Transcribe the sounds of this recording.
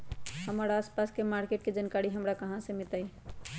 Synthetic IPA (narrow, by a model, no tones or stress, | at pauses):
həmaːɾaːspaːskemaːɾkeːʈked͡ʒankaːɾiɦəmɾakəɦãsemɪt̪ai